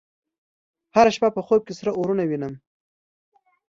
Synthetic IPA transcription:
haɾaʃpapəxob̚kesɾaʔoɾunawinəm

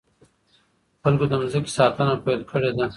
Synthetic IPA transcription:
xalkod̪əmzəki̥sɑːt̪ənapelkʰəɽed̪a

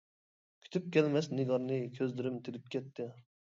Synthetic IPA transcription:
kʲʰy̥t̪ʰyp̚kʲʰɛlmɛsnɪɡɑɾnɨkʲʰøzd̪ɪɾɪmt̪ʰɪlɪp̚kʲʰɛt̪ʰːɪ

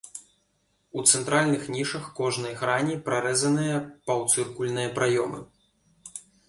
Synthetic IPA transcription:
ut̪sɛnt̪ɾʔalʲnɨxnʲiʂɐxkɔʐnɐjɣɾanʲipɾaɾɛzɐnɨjɐpɐwt̪sɨrkulʲnɨjɐpɾajɔmɨ̰

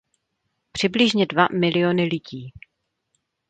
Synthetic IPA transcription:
pr̝̥ɪblɪʒɲɛdvamɪlɪonɪlɪɟiː

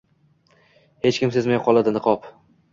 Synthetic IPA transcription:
he̞t͡ʃkʲɪmse̞zmajɒqʰɒlˠad̪ɪnɨqʰɒp

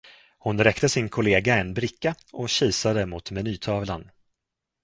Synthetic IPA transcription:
hʊnɾɛkt̪əsɪnkʰʊleːɡaɛnbɾɪkːa | ʔɔɕiːsad̪əmʊt̪mɛnyːt̪ʰɑːvla̰n

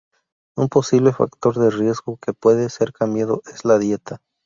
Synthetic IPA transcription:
umpo̞siβle̞fa̰kt̪o̞ɾðerje̞zɣo̞ke̞pwe̞ðe̞se̞ɾkambjaðo̞ʔezlaðje̞t̪a

